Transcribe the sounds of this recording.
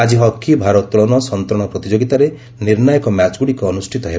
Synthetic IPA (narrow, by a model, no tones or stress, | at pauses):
ad͡ʒiɦɔkʰːibʱaɾɔt̪ɭɔnɔsɔnt̪ɾɔɽ̃ɔpɾɔt̪id͡ʒoɡit̪aɾe | niɾnajɔkɔmat͡ʃɡuɽikɔːnusʈʰit̪ɔɦeba